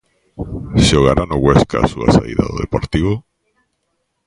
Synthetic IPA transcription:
ʃoɣ̞aɾanoɣweskasua̰saḭða̰ðoðepoɾt̪iβo

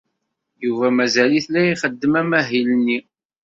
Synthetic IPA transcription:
juvæmæzæliθlæiχəd̪ːəmæmæɦilənːi

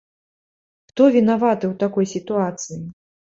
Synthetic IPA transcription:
xt̪ɔvʲinavat̪ɨwt̪akɔjsʲit̪uat̪sɨji

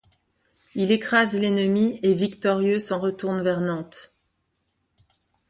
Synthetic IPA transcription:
ilekχazlenəmievikt̪ɔʁjøsɑ̃ʁət̪uʁnvɛʁnɑ̃t̪

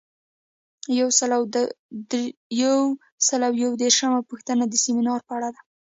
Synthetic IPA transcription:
jawsəla | jw | səlawjawd̪eɾʃəmapuxt̪ənad̪əseminɑɾpəaɽad̪a

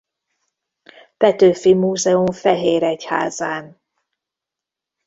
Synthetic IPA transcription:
pɛt̪øːfimuːzɛuɱfɛɦeːɾɛcha̰ːzaːn

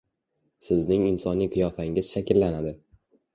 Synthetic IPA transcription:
sɪznɪŋɪnsɒnijqʰɨjɒfaɪŋʲɪz̥ʃakʲɪlːanad̪ɪ

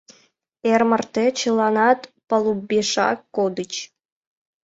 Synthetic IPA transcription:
ermərt̪et͡ɕəlˠɑnɑt̪pəlˠubeʃɑ̰kːod̪ət͡ɕ

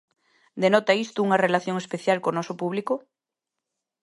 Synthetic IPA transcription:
d̪enot̪aist̪uuŋarelaθjoŋespeθjalkonosopuβliko

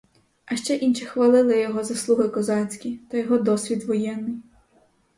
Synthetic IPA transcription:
ɐʃt͡ʃɛʔinʃixʋɐlˠɪlˠɪjɔɦɔzɐslˠuɦɪkɔzɑt͡sʲkʲit̪ɐjɔɦɔd̪ɔsʲʋʲid̪ʋɔjɛnːɪj

